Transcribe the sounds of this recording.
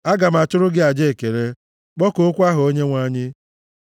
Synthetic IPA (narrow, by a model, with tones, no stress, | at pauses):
a˦ɡa˨m̩˨a˨tʊ˦ɾʊ˦ɡɪ˦a˨d͡ʒe˦e˨ke˨ɾe˦ | k͡pɔ˦ko˦kʷa˦ɦʊ˨o˦ɲe˦ŋʷa˦ɲɪ˦